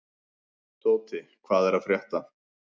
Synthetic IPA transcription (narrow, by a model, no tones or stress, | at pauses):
t̪oːwt̪ɪkʰvaːðɛɾaðfɾjɛht̪a